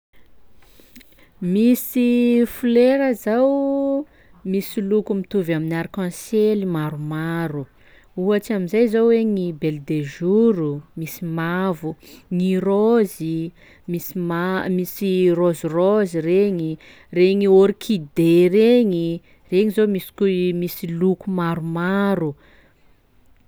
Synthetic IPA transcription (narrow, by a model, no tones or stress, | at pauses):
misifuleɾəzaw | misilukumit̪uvaminaɾikɔ̃selimaɾumaɾu | uat͡ʃiamizajzowweŋibeld̪eʒuɾumisimavuŋirozi | misimamisirozirozireɲi | reɲioɾikʰid̪ereɲi | reɲizomisi̥kumisilukumaɾumaɾu